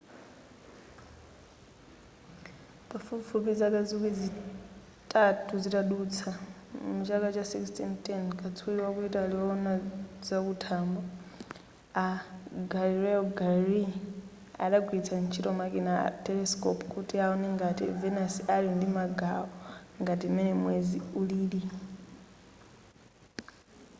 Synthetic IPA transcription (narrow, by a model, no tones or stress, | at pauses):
pafufupid͡zakazukid͡zi | tʼatʰuzitaɗut͡sʰamut͡ʃakat͡ʃasikstintɛnkʰʼat͡sʰujiwakuitaliɔnazakutʰambɔ | aɡaliɾɛɔɡaɾi | aɗakwit͡sʰant͡ʃʰitɔmakɛna̰tɛlɛskɔpkutiaɔnɛŋɡatḭvɛnasialindimaɡaɔŋɡatimɛnɛmwɛziuliːli